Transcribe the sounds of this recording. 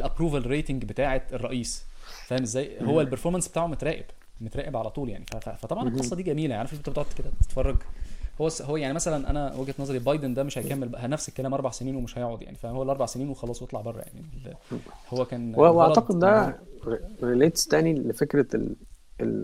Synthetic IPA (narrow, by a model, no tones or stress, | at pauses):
ʔelʔæpɾuːvælɾeːt̪eŋɡbet̪aːʕet̪erˤːɑʔiːsfæːhemʔezːæːjhowːælpeɾfoɾmænsbet̪aːʕomet̪ɾæːʔeb̥ | met̪ɾæːʔebʕalæt̪ˤuːljaʕnifæfæ̰fæt̪ˤɑbʕɑnelxɑsˤːɑd̪iːɡæmiːlæjaʕnifilet̪ːbet̪oʕt̪ked̪æt̪e̥t̪fɑrˤːɑɡhowːæsɦowːæjaʕnimæsælænʔæ̰næwæɡæt̪nɑːzˤɑɾˤlibɑjd̪end̪æmeʃhæjkæmːelæhænæfse̥kːælæːmʔɑɾˤbaʕseniːnwemeʃhæjoʕod̪ja̰ʕnifæowælʔɑɾˤbɑʕseniːnwexɑlɑːsˤwet̪ˤlɑʕbɑrˤːɑ̰ja̰ʕnielːhowːækæːnweweɑʕɑqed̪ːæ | ɾileːt̪st̪æːnilefekɾælḛl